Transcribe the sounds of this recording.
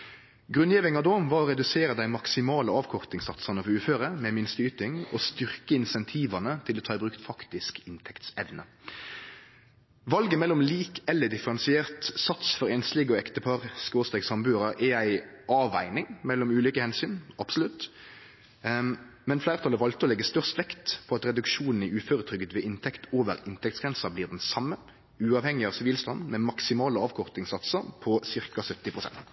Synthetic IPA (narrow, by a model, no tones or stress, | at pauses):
ɡʁʉnjiːʋɪŋɑd̪oːʋɑːʁɔʁɛd̪ʉseːɾəd̪æɪmɑksɪmɑːləɑːʋkʰɔʁt̪ɪŋsɑt̪sɑnəfɔɾʉːføːʁəmɛmɪnst̪əyːt̪ɪŋɔst̪ʏʁkəɪnsɛnt̪ʰiːʋɑnət̪ʰɪloːt̪ʰɑːɪbɾʉkt̪fɑkt̪ɪskɪnt̪ʰɛkt̪sɛʋnə | ʋɑlɡəmɛlːʊmliːkɛlːəɖɪfəɾɛnsɪeːʁt̪sɑt̪sfɔɾɛnslɪɡɔɛkt̪əpʰɑʁskoːst̪ɛːksɑmbʉːʁɑʔɛæɪʔɑːʋæ̰ɪnɪŋmɛlːɔmʉːliːkəhɛnsyːnɑb̥sɔlʉt̪ | mɛnflæɪʁt̪ʰɑləʋɑlt̪əɔlɛɡːəst̪œʁst̪ʋɛkt̪pʰɔɑt̪ʁɛd̪ʉkʃuːnn̩æʉːføːɾət̪ʰɾʏɡət̪ʋɛːʔɪnt̪ʰɛkt̪oːʋə̰ʁɪnt̪ʰɛk̚t̪sɡʁɛnsɑbliːʁd̪ɛnsɑmːə | ʉːɑːʋhɛŋɪɑːʋsɪʋiːlst̪ɑnmɛmɑksɪmɑːləɑːʋkʰɔʁt̪ɪŋsɑt̪səɾpʰɔsɪʁkɑsœt̪ːɪpʰʁʊsɛ̰nt̪